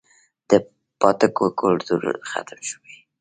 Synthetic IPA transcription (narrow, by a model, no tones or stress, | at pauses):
d̪̥ə | pɑt̪əkokʊlɾt̪uɾ̰xa̰t̪mʃəwi